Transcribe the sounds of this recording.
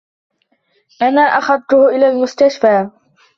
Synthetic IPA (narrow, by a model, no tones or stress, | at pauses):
ʔanaːʔaxɑðˤt̪ʊhʔɪlaːlmʊst̪aʃfaː